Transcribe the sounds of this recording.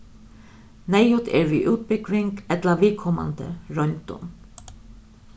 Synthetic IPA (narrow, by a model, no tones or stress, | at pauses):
næɪʉt̪ʰḛːɹʋiːʔʉːt̪̚bʏɡʋɪŋɡɛt̪lɑʋɪːkʰɔmɑ̰nd̪ə̰ɹœnt̪ʊ̰m